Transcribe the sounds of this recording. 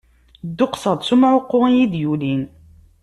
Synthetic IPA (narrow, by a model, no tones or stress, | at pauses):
d̪ːʊqsˤɑd̪ˤsumʕʊqːʊnjid̪julin